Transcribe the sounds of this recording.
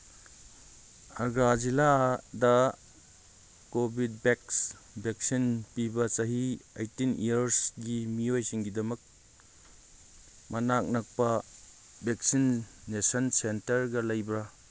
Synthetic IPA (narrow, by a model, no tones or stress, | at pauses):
ɐɡɾaziladɐ | kobʱid̚beks | bek̚sinpibɐsɐɦiḛjtinijɐɾsɡimiojsiŋɡidɐmɐk̚ | mɐnak̚nɐk̚pɐ | bek̚sinːesɐnsentɐɾɡɐlɐjbɾa